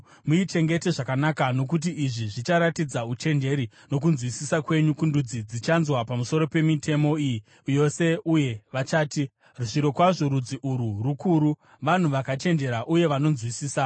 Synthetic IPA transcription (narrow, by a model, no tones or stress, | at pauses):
muit͡ʃe̞ŋɡe̞te̞ʐakanakano̞kut̬iiʐiʐit͡ʃaɾatid͡zaut͡ʃe̞nd͡ʒe̞ɾi | no̞k̬unzwisisakwe̞ɲukundud͡zid͡zit͡ʃanzwapamuso̞ɾo̞pe̞mitʰe̞mo̞iji | jo̞se̞uje̞ʋat͡ʃaːti | ruʐiɾo̞kwaʐoɾud͡ziʔuɾurukuɾu | ʋan̤uʋakat͡ʃe̞nd͡ʒe̞ɾaʔuje̞ʋano̞nzwisiːsa